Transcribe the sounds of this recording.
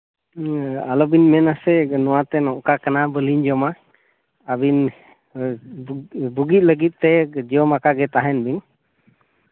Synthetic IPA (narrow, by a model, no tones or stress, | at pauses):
alɔbinmɛnasɛnɔwat̪ɛnɔʔkakanabəliɲd͡ʒɔma | abin | buɡit̪̚ˀləɡit̪̚t̪ɛd͡ʒiɔmakaɡɛt̪aɦɛnbin